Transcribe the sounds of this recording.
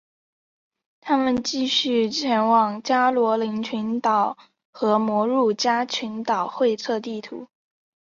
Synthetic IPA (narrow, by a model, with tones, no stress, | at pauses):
t̪ʰa˥mə˨nt͡ɕi˥˧ɕy˥˩˧t͡ɕʰjɛ˧˥nwɑ˨˩ŋt͡ɕja˥lwɔ˧˥li˧˥ŋt͡ɕʰy˧˥nt̪ɑ˨˩ʊ | xɤ˧˥mwɔ˧˥ɻu˥˩t͡ɕja˥t͡ɕʰy˧˥nt̪ɑ˨˩ʊxwe˥˧ɪt͡sʰɤ˥˧t̪i˥˩t̪ʰṵ˧˥